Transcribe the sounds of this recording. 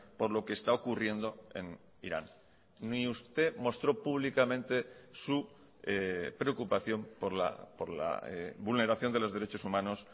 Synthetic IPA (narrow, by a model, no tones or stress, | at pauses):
po̞ɾlo̞keːst̪aokurje̞nd̪o̞e̞̰n | ḭɾa̰n | iust̪e̞mo̞st̪ɾo̞puβ̞likamẽ̞nt̪esu | epɾe̞o̞kupaθjo̞mpoɾla̰poɾla̰eβulne̞ɾaθjo̞nd̪elo̞zð̞e̞ɾe̞t͡ʃo̞sumãno̞s